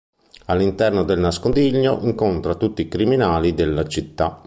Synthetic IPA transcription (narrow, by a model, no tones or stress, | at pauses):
alːint̪ɛrnod̪elnaskond̪iʎːoʔiŋkont̪ɾat̪ut̪ːiːkɾiminaːlid̪elːat͡ʃit̪ːa